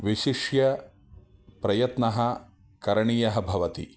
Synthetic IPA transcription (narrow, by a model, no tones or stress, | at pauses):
ʋiʃiʂjɐ | pɾɐjɐt̪nɐɦɐ̆ | kɐɾɐɳiːjɐɦɐbʱɐʋɐt̪ḭ